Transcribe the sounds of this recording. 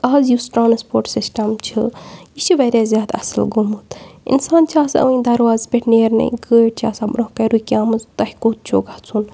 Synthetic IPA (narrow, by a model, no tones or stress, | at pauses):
ɐːzjusʈɾaːnspoːɾʈsisʈɐmt͡ʃʰɨjit͡ʃʰiʋɐɾʲjaːzʲjaːd̪ɐ̰sɨlɡomut̪ḭnsaːnt͡ʃʰaːsɐ̰ʋĩd̪ɐɾʋaːzpʲeʈʰneːɾnɐ̰ɡəːʈt͡ʃʰa̰ːsabɾohkɐɾuːkʲaːmɨzt̪ɐhʲkoːt̪̚t͡ʃʰo̰ːɡat͡sʰun